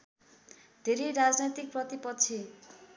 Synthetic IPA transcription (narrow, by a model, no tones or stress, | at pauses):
d̪ʱeɾeɾad͡znʌjt̪ik̚prʌt̪ipʌtt͡sʰi